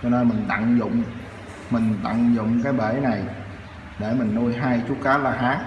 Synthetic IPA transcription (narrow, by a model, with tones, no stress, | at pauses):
t͡ɕɔ˧ne˧nmï˨˩ŋ̟ɗ̪a̰˧˨ŋzʊ̰˧˨wŋ͡m | mï˨˩ŋ̟ɗ̪a̰˧˨ŋzʊ̰˧˨wŋ͡mkaː˨˦jɓe˧˩na˨˩j | ɗe˧˩mï˨˩ŋ̟nu˧jɦaː˧jt͡ɕu˦kaː˨˦laː˨˩ɦaː˨˦˥ŋ